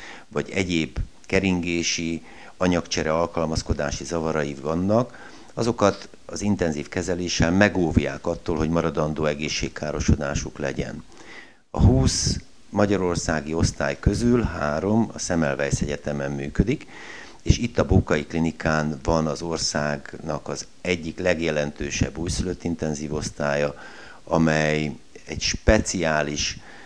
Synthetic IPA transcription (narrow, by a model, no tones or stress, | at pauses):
vɒɟɛɟeːb | kɛɾiŋɡeːʃi | ɒɲɒkt͡ʃɛɾɛɒlkɒlmɒsko̞d̪aːʃizɒvɒɾɒjivɒnːɒk | ɒzo̞kɒt̪ | ɒzint̪ɛnziːfkɛzɛleːʃɛlmɛɡoːvja̰ːkɒt̪ːoːlɦo̞ɟmɒɾɒd̪ɒnd̪oːɛɡeːʃːeːkːaːɾo̞ʃo̞d̪aːʃuklɛ̰ɟɛ̰n | ɒ̰ɦuːs | mɒɟɒɾo̞rsaːɡio̞st̪aːjkø̞zylɦaːɾo̞mɒ̰sɛmɛlvɛjsɛɟɛt̪ɛmɛmːyːkø̞d̪ik | eːʃit̪ːɒboːkɒjiklinikaːnvɒnɒzo̞rsaːɡnɒkɒz | ɛɟːiklɛɡjɛlɛnt̪øːʃɛ̰bːuːjsyløt̪ːint̪ɛnziːvo̞st̪aːjɒ | ɒmɛj | ɛɟʃpɛt̪siaːliʃ